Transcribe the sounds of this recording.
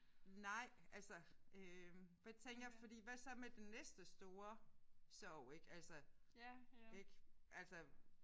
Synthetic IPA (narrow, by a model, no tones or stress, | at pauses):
nɑ̈ɪ̰ælsəʔøfet͡sʰeŋ̰ɡ̥ɐjafɒ̽d̥ḭːʋæsɒ̽med̥enːesd̥əsd̥o̝ːɐsɒʊ̰e̝ɡ̥ælsə | eɡ̥ʔælsə